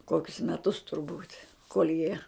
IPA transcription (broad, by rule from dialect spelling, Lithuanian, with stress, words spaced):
ˈkoːkʲʊs mʲɛˈtʊs tʊrˈbuːtʲ koːlʲ jiɛ